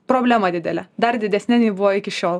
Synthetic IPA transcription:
pɾoːbʲlʲæmɐd̪ʲɪd̪ʲɛlʲɛd̪ɐɾd̪ʲɪd̪ʲɛsʲnʲɛnʲiːbʊʋoːɪkʲɪʃʲoːlˠ

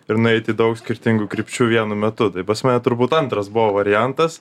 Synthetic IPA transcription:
ɪɾnʊɛɪt̪ʲɪd̪ɐʊksʲkʲɪɾʲt̪ʲɪŋɡukɾʲɪpʲt͡ʃʲuːʋʲiɛnʊmʲɛt̪ʊt̪ɐɪpɐsmɑːnʲɛt̪ʊɾbuːt̪ɐnt̪ɾɐsbʊʋoʋɐɾʲɪjænt̪ɐs

